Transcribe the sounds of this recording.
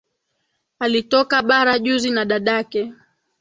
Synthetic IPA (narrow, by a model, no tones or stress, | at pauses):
alitɔkaɓaɾaʄuzinaɗaɗakɛ